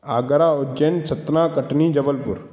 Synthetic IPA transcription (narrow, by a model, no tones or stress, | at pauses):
aːɡɐɾaːʊd͡ʒensʰɐt̪naːkɐʈnid͡ʒɐbəlpʊɾ